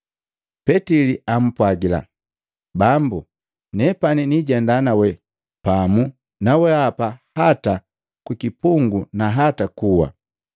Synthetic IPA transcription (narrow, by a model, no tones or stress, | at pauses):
pɛtiliam̩pwaɡila̰ | bambu | nɛpaniniɟɛndanawɛ | pamu | nawɛapahata | kwikipuŋɡunaɦatakuwa̰